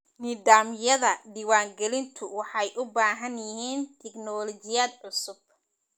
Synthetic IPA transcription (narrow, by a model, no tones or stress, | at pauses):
nɪdaːmjɐðɐɖiːwaːŋɡɛlɪnt̪ʰʊwɑħɑjʔʊbaːɦɐnjɪɦiːnt̪ʰɛɡnɔːlɔt͡ʃɪjaːd̪ʕʊsʊb̚